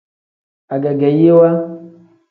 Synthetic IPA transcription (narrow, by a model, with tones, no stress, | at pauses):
a˨ɡɛ˨ɡɛ˨je˦wa˦